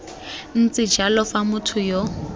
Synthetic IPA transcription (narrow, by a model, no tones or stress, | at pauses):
n̩t͡sʼɪ̥d͡ʒalɔfamʊtʰʊjɔ